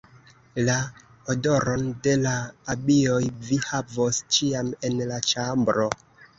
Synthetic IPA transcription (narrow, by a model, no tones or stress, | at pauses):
la | odoɾonde̞laːbiojvihavost͡ʃiame̞nlat͡ʃambɾo